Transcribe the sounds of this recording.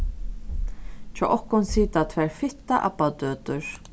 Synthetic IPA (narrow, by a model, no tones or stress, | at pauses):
t͡ʃʰɔ̰ːʔɔhkʊnsiːt̪at̪ʰvɛːɹfɪht̪aʔa̰bat̪øːt̪ʏɹ